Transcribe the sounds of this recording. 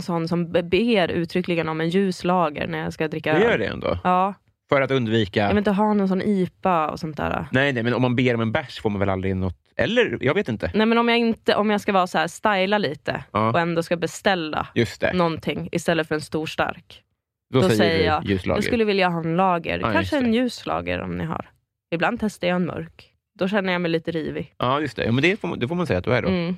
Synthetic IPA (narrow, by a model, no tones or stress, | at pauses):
nsɔnːsɔmbeːɾʉ̟ːt̪ʰɾʏkːlɪɡənɔmɛnjʉ̟ːslɑːɡə̰ɾnæɾjɑskad̪ɾɪkːaɛjœːɖɛ̰ɛ̰nd̪o̰ːɑː | fœɾat̪ɵnd̪viːkajvɪnt̪əɦɑːnɔnsɔnːʔiːpaɔ̰sɔnt̪ʰːæ̰ːɾa̰nɛjnɛmɛnɔmːanbeːɾɔmɛnbæʂfoːɾmanvɛlald̪ɾɪnɔt̪ɛ̰lːəɾjɑːɡveːt̪ɪnt̪ənɛmɛnɔmjaɪnt̪əʔɔmjɑːɡskavɑːsɔhæːst̪ajlaliːt̪ʰə̰ɑːɔɛnd̪oːskabɛst̪ɛlːa̰jɵst̪ʰɛ̰nɔnt̪ʰɪŋːɪst̪ɛlːət̪fœɾɛnst̪uːʂʈa̰ɾk | dɔɔɛsɛjːəjɑːjʉ̟ːslɑ̰jɑːɡsɵlːəvɪljaɦɑːɛnlɑːɡə̰ɾkanʂəɛnjʉ̟ːslɑ̰ːɡə̰ɾɔ̰mnɪ̰ɦa̰ɾ | ɪbland̪̚t̪ʰɛst̪əjaɛnmœ̰ɾk | d̪̥ɔɕɛnːəɾjaːmɛjliːt̪əɾiːvɪʔɑːjɵst̪ʰɛ̰juːmɛnd̪ɛfoːd̪ɛfoːmansɛjːat̪d̪æɖɔ̰